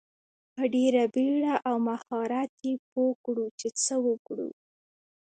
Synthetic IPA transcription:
pəɖeɾabeɽaʔawmaxɑɾat̪jepokɽut͡ʃet͡səwəkɽṵ

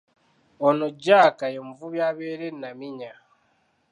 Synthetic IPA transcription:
onoɟaːkajemuvuβjaβeːɾenːamiɲa

